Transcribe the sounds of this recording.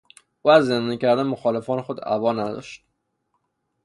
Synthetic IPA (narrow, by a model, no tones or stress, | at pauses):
ʔuːæzːend̪ɒnicʰæɾd̪ænmoxɒːle̞fɒːnexod̪æ̰vɒːnæd̪ɒ̰ːʃt̪̚